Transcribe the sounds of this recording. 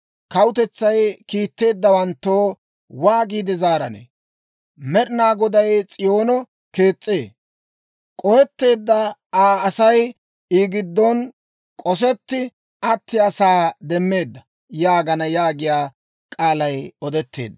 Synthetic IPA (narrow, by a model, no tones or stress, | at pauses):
kɐwʊt̪ɛt͡sːɐjkiːt̪ːe̞ːd̪ːɐwɐnt̪ːoː | waːɡiːd̪ɛzaːɾɐnḛ | mɛɾɪnaːɡɔd̪ɐjt͡sʼɪjo̞ːnɔ | ke̞ːt͡sʼːe̞ː | kʼɔjɛt̪ːe̞ːd̪ːɐaːsɐj | iːɡɪd̪ːɔn | kʼɔs̬ɛt̪ːɪ | ɐt̪ːɪɐsaːd̪ɛmːe̞ːd̪ːɐ | jaːɡɐnɐjaːɡɪjaː | kʼaːlɐjɔd̪ɛt̪ːe̞̰ːd̪ːɐ